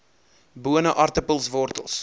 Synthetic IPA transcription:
buənəʔɐrtəpəlˠsvɔrtəlˠs

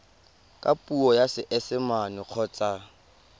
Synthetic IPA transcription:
kʼapʼuɔjasɪʔɛsɪmanʊq͡χʰɔt͡sʼa

